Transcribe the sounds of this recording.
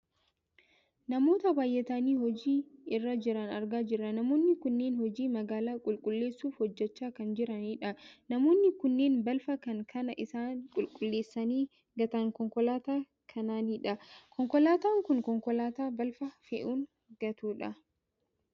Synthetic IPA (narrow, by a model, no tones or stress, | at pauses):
nɐmo̞ːt̪ɐbaːjʔɛt̪ɐniːhɔd͡ʒiːɪrːɐd͡ʒɪɾɐnɐɾɡaːd͡ʒɪrːɐnɐmo̞ːnːɪkʊnːeːnhɔd͡ʒiːmɐɡaːlaːkʼʊlkʼʊlːe̞ːsːuːfhɔd͡ʒːɛt͡ʃːaːkɐnd͡ʒɪɾɐniːᶑɐnɐmo̞ːnːɪkʊnːe̞ːnbɐlfɐkɐŋkʰɐnɐʔɪsaːnkʼʊlkʼʊlːe̞ːsːɐniː | ɡɐt̪ɐŋkɔŋkɔlaːt̪aː | kʰɐnaːniːᶑɐkʰɔŋkɔlaːt̪aːŋkʊŋkɔŋkɔlaːt̪aːbɐlfɐfɛʔuːn | ɡ̥ɐt̪uːᶑɐ